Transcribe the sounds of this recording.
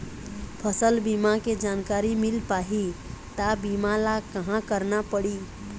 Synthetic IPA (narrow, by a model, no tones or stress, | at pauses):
pʰəsəlbimaked͡ʒankaɾimilpaɦit̪abimalakəɦãkəɾnapəɽi